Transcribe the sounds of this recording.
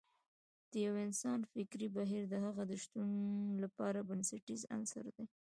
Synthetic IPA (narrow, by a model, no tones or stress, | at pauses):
d̪̥əjawɪnsɑnfɪkɾibaɦiɾd̪əhaɣad̪əʃt̪unlapɑɾabənsaʈiza̰nsa̰ɾd̪e